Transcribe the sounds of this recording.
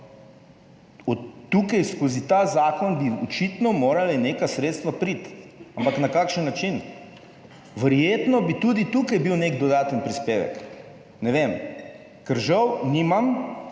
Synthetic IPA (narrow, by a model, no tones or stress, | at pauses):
ɔːukajskoːzit̪azaːkɔnbiɔt͡ʃit̪nɔmoːɾalineːkasɾeːt̪st̪ʋapɾit̪ampaknakaːkʃənːat͡ʃin | ʋəɾjeːt̪nɔbit̪ud̪it̪ukajbiwneɡd̪ɔd̪aːt̪ənpɾispeːʋɛ̰k | nɛʋem | kɛɾʒawnimam